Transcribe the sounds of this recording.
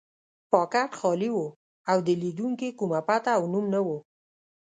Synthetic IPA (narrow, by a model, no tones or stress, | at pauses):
pɑkaɾxɑliwo | awd̪əlid̪uŋkekumapat̪aːwnumnawo